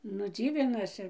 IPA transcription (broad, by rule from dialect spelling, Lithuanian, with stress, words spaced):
nʊ ˈd͡zʲiːʋʲɪnɐsʲɪ